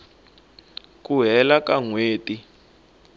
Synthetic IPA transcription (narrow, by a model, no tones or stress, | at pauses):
kuɦɛlakaŋweːti